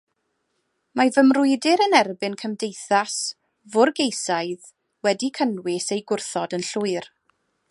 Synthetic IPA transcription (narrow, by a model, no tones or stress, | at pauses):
mavəmrʊɨdɪɾənɛrbɨnkʰəmdejθas | vʊrɡejsaɨð | wɛdikʰənwɪsejɡʊrθɔdənɬʊɨr